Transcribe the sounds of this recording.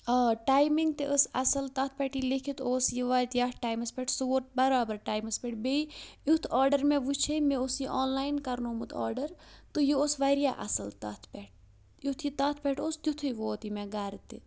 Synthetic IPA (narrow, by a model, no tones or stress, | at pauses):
ɐʈaːjmiŋɡt̪eʔəsɐ̰sɐlt̪ɐt̪ʰpʲɛʈilikʰit̪oːsjiʋaːt̪jaːʈaːjmɐspʲeʈʰsuoʈ̪̚bɐɾaːbɐɾʈaːjmɐspʲeʈʰbeːijut̪ʰɔːɾɖɐɾmẽʋut͡ʃʰemeosjiʔoːnlaːjnkɐɾnomut̪ʰɔ̰ːɖɐɾt̪ɨjoosʋaːɾjaːʔɐ̰sɐlt̪ɐt̪ʰpɛʈ̚ʰ | jut̪ʰjit̪ɐt̪ʰpʲeʈʰoːst̪ʲjut̪ʰujʋoːt̪imeɡaːɾit̪ːḭ